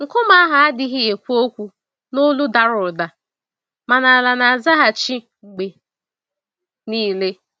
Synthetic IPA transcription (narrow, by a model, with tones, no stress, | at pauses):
ŋ̩˨kʊ˦ma˦a˦ɦa˨a˦dɪ˦ɦɪ˦e˨kʷu˦o˦kʷu˦ | nʊ˦lu˦da˨ɾʊ˨da˨ | ma˨na˨la˨na˨a˨za˦ɦa˨t͡ʃi˦ | ŋ͡m̩˨ɡ͡be˨ | niː˦le˦